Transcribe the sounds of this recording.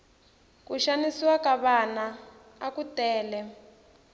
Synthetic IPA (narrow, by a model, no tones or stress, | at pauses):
kuʃanisiwakaβanaː | kutɛːlɛ